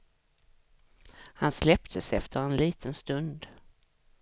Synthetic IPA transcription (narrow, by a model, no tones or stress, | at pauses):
hanslɛpt̪ʰəsɛft̪ʰəɾɛnliːt̪ʰənst̪ɵnd̪